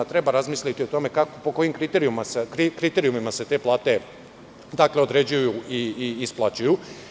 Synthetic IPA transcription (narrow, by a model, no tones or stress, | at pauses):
t̪ɾe̞baɾazmiːslʲit̪io̞t̪o̞me̞kakopo̞ko̞jimkɾit̪eɾijumasekɾikɾit̪eɾiumimase̞t̪e̞plˠaːt̪e̞ | d̪akle̞o̞d̪ɾe̞d͡ʑujuiiːsplˠat͡ɕuju